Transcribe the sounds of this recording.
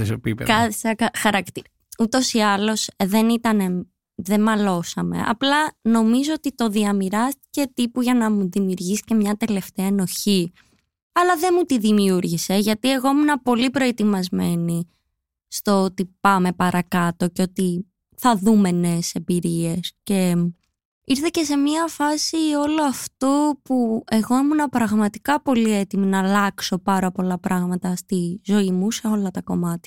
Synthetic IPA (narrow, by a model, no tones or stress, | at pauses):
esopipkɐθsɐkɐxɐɾɐkt̪iɾ | ut̪o̞siɐlo̞sðe̞nit̪ɐne̞ | ðe̞mɐlo̞sɐme̞̰ʔɐ̰plɐno̞mizoot̪it̪o̞ðiɐmiɾɐst̪i̥ce̞t̪ipuʝɐnɐmuðimiuɾʝisi̥ce̞mɲɐt̪e̞le̞ft̪eɐeno̞çi | ɐlɐðe̞mut̪iðimiuɾʝise̞ʝɐt̪ie̞ɣo̞munɐpo̞lipɾo̞e̞t̪imɐzme̞ni | st̪oot̪ipɐme̞pɐɾʔɐkɐt̪o̞co̞t̪i | θɐðume̞ne̞se̞mbiɾie̞sce̞ | iɾθe̞ce̞se̞miɐfɐsio̞loɐft̪opue̞ɣo̞imunɐpɾɐɣmɐt̪i̥kɐpo̞lie̞t̪iminɐlɐkso̞pɐɾɐpo̞lɐpɾʔɐɣmɐt̪ɐst̪izo̞imuse̞o̞lɐt̪ɐko̞mɐt̪